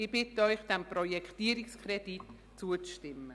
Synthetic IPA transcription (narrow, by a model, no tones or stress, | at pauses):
ɪb̥ɪtəœʏχd̥ɛmprɔjɛkʰtiːɾikskʰrɛd̥it | t͡suət͡sʃtɪmːə